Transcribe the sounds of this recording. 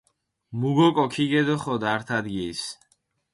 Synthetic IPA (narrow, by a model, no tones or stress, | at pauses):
muɡɔkʼɔkʰiɡɛd̪ɔχɔd̪aɾt̪ʰad̪ɡis